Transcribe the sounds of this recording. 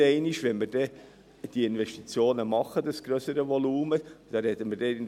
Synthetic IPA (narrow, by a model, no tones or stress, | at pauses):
ɛɪniʃʋɛnmɪɾd̥ɛ | d̥iɪnvɛʃtit͡sjoːnəmɑχːəd̪əsɡ̥ɾœsəɾəvɔluːməd̥ɑɾɛt̪əmərdɛɪn